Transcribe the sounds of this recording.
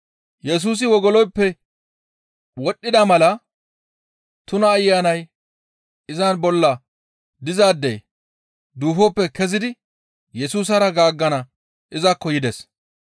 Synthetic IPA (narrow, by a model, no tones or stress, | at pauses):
jɛs̬uːs̬ɪwɔɡɔlɔjpːɛ | wɔɗːɪd̪ɐmɐlɐ | t̪ʊnɐːjːaːnɐj | ɪzɐnbɔlːɐ | d̪ɪzaːd̪ːɛ̰j | d̪uːfɔpːɛkɛzɪd̪ɪ | jɛsuːs̬ɐɾɐɡaːɡːɐnɐ | ʔɪzɐkːɔjɪd̪ɛs